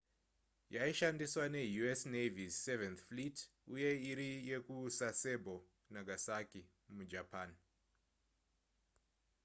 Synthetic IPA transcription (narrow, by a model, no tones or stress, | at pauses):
jaiʃandiswane̞juesnevievenθflit | uje̞iɾije̞kuːsase̞bʱo | naɡʱasaki | mud͡ʒapaːn